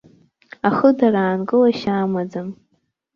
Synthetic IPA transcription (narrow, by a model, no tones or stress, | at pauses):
aχədaɾaːnɡʼɨlaʃaːmad͡zam